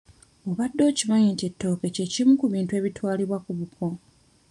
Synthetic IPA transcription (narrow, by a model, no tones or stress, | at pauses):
o̞βadːo̞ːcimaɲiːntietːo̞ːke̞ce̞cimukuβiːntwe̞ːβitwaːliβwakuβukʰo